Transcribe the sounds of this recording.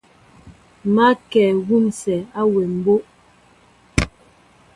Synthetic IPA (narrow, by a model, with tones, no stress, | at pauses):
ma˦kɛː˨ɣu˦msɛ˨a˦we˨m̩˨bo˦ʔ